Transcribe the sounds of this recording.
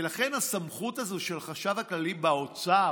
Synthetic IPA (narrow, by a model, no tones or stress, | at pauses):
elaχe̞nhasamχutazoʃe̞lχaʃavhaklalibao̞t͡sa